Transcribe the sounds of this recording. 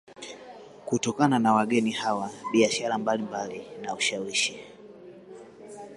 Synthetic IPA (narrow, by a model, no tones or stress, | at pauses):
kutɔkananawaɠɛnihawaɓiaʃaɾambalimbalinauʃawiʃi